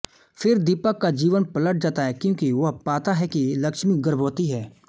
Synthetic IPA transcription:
fʰɪɾd̪ɪpəkːad͡ʒiːʋənpɐləʈ̚ʰd͡ʒaːt̪aɦɛkjõːkiʋɐɦpaːt̪aɦɛkilɐkʃmikɡəɾbʱoːt̪iɦɛː

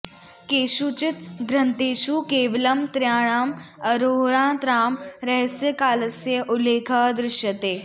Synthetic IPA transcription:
keːʃut͡ʃɪt̪ɡɾɐnt̪eːʃuːkeːʋɐlɐmt̪ɾjaːɽ̃amɐɾoːɭãːt̪ɾaːmɾɛɦsjəkaːlɐsjəʔʊleːkʰɐd̪ɾɪʃjɐt̪eː

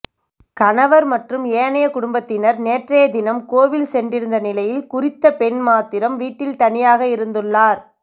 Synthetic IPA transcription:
kɐnɐʋɐɾmɐʈrɯmeːɐnɐjɐkʊɽʊmbɐt̪ːɪnɐɾneːʈreːɐd̪ɪnɐmkoːʋɪlsɛndrɪɾɯnd̪ɐnɪlɐjɪlkʊrɪt̪ːɐpɛnmaːt̪ɪɾɐmʋiːʈːɪlt̪ɐnɪjaːɣɐɪɾɯnd̪ɯɭːaːɾ

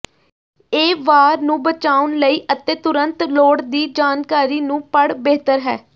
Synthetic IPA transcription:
eːʋaːɾnũːbət͡ʃaːʊnləiːʔət̪eːt̪ʊɾənt̪loːɽd̪iːd͡ʒaːnkaːɾiːnũːpəɽbeːt̪əɾɦɛ̰ː

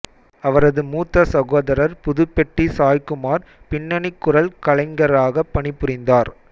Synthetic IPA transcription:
ɐʋɐɾɐðɯmuːt̪ːɐsɐɣoːðɐɾɐɾpʊðʊpːɛʈːisaːjkɯmaːɾ | pɪnːɐɳɪkːʊɾɐlkɐlɐɪŋɡɐɾaːɣɐpːɐɳɪpːʊɾɪnd̪aːɾ

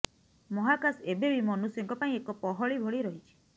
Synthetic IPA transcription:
mɔɦakasebebimɔnusjɔŋkɔpaĩekɔpɔɦɔɭibʱoɭiɾɔɦit͡ʃʰi̥

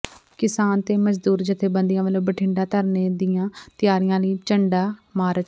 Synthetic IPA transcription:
kɪsaːnt̪eːməd͡ʒd̪uːɾd͡ʒɪt̪ʰːeːbənd̪ɪjãːʋəlõːbəʈʰɪɳɖaːt̪əɾneːd̪ɪjãːt̪ɪjaːɾijãːləiːt͡ʃəɳɖaːmaːɾə

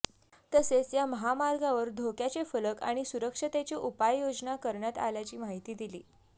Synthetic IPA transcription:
t̪əset͡sjaməɦamaɾɡaʋəɾd̪ʱokjat͡ɕefələka̰ɽ̃isuɾəkʂət̪et͡ɕiʔupajjod͡znakəɾɳjat̪a̰ljat͡ɕiːmaɦit̪iːd̪ilḭː

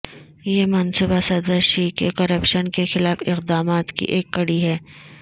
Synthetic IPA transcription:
jeːmɐnsubasɐd̪əɾʃiːkḛkɐɾəpʃənkexɪlaːfɪqd̪aːmaːt̪kḭʔeːkːɐɽiɦɛː

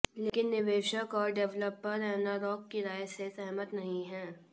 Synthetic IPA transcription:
leːkɪnːɪʋeːʃəkɔːɾɖɛʋləpːəɾɛɦnaɾɔːkːiɾaːjsesɛɦmət̪nɐɦĩɦɛ̃ː

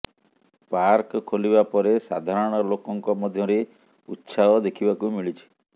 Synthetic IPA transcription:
paɾkkʰoliβapɔɾesad̪ʱaɾɔɽ̃ɔlokɔŋkɔmɔd̪ʱjɔɾe | utːsʰaɔd̪ekʰibakumiɭit͡ʃʰi̥

